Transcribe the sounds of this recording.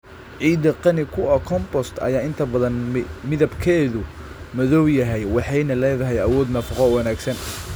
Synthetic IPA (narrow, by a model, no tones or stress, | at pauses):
ʕiːd̪ɐqɑnɪkʰʊɐkʰɔmbɔst̪ʰɐ̰jaːɪnt̪ʰɐbɐðɐnmɪðɐbkʰɛːðʊmɔðɔwjɐɦɛjwɑħɑjnɐlɛːðɐɦɛjɐwɔːd̪nɐfɑqɔwɑnaːɡsɐn